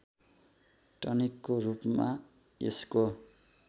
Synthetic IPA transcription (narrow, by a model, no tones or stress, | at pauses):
ʈʌnikːorupma | ḛsko